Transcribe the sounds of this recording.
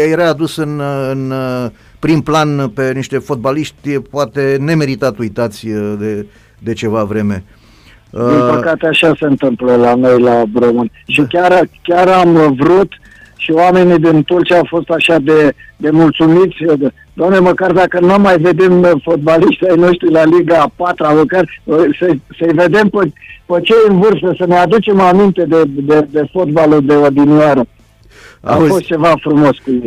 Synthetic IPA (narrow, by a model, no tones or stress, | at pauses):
jeɾaːd̪usɨnɨn | pɾimplanpe̞niʃt̪e̞fo̞t̪̚baliʃt̪ʲpoat̪e̞ne̞me̞ɾit̪at̪ujt̪at̪sʲd̪e | d̪e̞t͡ʃe̞vavɾe̞me̞ | d̪immpəkat̪eaʃase̞ɨnt̪ɨmpləlano̞jlabɾomɨnʲʃikʲaɾkʲaɾamvɾut̪ | ʃioame̞nid̪int̪urt͡ʃiaːwfo̞st̪aʃad̪e̞d̪e̞mult̪sumit̪sʲ | d̪oamne̞məkard̪akənamːajve̞d̪e̞mfo̞t̪̚baliʃt̪ʲajno̞ʃt̪ɾilaliɡapat̪ɾaməkarsəsəjve̞d̪e̞mpəpət͡ʃe̞ɨnvɨrst̪əsənead̪ut͡ʃe̞mamint̪e̞d̪ed̪ed̪e̞fo̞t̪balud̪e̞od̪iniaɾə | a̰fo̞st̪̚t͡ʃe̞vafɾumo̞skuje